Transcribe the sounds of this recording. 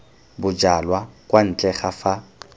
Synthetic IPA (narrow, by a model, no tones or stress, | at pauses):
bʊd͡ʒalwakʼwan̩t͡ɬʼɛχafa